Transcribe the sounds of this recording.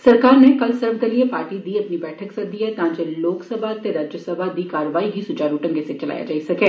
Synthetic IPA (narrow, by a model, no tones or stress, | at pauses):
səɾkaːɾnekəlsəɾʋd̪eliepaːɾʈiːd̪iːəpniːbɛːʈʰəksəd̪iːɛːt̪ãːɲd͡ʒeloːksəbʱat̪eːɾaːd͡ʒjəsəbʱad̪iːkaːɾəʋaːiɦiːsʊt͡ʃaːɾuːʈə̃ŋɡeset͡ʃəla̰ːja̰ːd͡ʒa̰ːisəkeː